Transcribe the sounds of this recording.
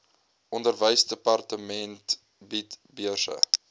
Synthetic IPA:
ʔɔndərvəjsdəpɑrtəmɛnt | bitbiərsə̰

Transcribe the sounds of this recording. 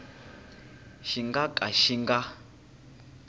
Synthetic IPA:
ʃiŋɡakʼaʃiŋɡa

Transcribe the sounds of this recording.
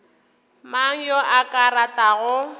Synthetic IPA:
maŋ̩joʔakʼaɾatʼaɣʊ

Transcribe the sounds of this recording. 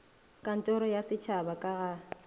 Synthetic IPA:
kʼan̩tʼɔɾɔjasɪt͡ʃʰabakʼaɣa

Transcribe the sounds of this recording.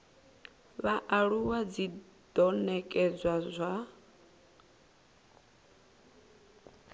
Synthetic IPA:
βaʔaɺuwad͡zi | d̥ɔnɛkʼɛd͡zʷwazʷa

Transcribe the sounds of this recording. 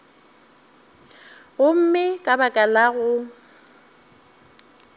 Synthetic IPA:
ɣʊm̩mɪkʼabakʼalaɣʊ

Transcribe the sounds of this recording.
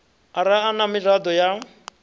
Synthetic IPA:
aɾaːnamirad̪ɔja

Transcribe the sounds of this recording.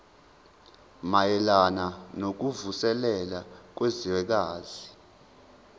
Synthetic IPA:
majɛlananok̬uvusɛlɛlak̬weziwɛk̬aːzi

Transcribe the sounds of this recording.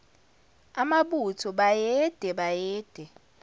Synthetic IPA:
amaɓutʰɔɓajɛd̥ʱɛɓajɛːd̥ʱɛ

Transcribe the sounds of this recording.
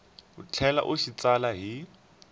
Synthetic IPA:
ʊt͡ɬʰɛla̰ʔʊʃit͡salaɦi

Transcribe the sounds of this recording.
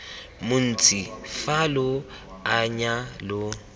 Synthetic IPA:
mʊn̩t͡sʼifalʊaɲalʊ

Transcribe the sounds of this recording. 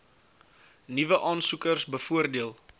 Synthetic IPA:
nivəʔɑːnsukərsbəfuərdiəlˠ

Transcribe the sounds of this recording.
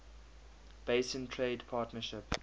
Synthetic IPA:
b̥eɪsə̃ntʰɹeɪdpʰɑːtnəʃɪp

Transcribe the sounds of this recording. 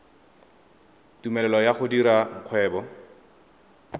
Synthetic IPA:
tumɛlɛlɔjaχʊdiɾaŋ̩q͡χʰwɛːbɔ

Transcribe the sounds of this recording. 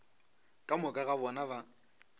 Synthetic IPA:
kʼamʊkʼaɣabɔnaba

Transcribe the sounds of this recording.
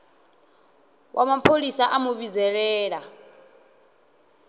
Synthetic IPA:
wʔamapʰolisaʔamuβizɛɺɛːɺa

